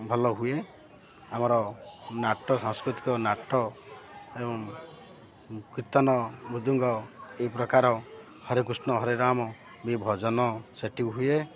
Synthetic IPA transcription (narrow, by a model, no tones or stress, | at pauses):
bʱɔlɔɦue | amɔɾɔnaʈɔsɔŋskɾit̪i̥kɔnaʈɔ | ebɔŋ | kit̪ɔnɔbud̪uŋɡɔeipɾɔkaɾɔ | hɔɾek̬usnɔɦɔɾeɾamɔ | mibʱɔd͡ʒɔnɔseʈiɦue